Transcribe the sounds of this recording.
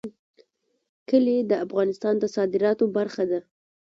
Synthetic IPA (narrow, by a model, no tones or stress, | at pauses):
kəled̪əafɣɑnɪst̪ɑnd̪əsɑd̪ɪɾɑt̪obaɾxad̪a